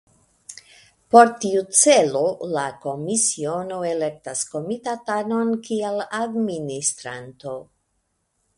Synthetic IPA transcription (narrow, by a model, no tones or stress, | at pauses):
po̞ɾtiut͡se̞lo̞lako̞misio̞no̞e̞le̞k̚tasko̞mitatano̞nkieladministɾanto̞